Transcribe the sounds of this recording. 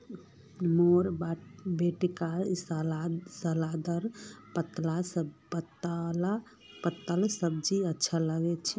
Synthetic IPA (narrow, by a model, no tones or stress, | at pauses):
moɾbabeʈikaɾsasəlad̪əɾpət̪lasəpət̪ala | pət̪ːəlsəb̚d͡ʒiətːʃʰaləɡɛt͡ʃʰi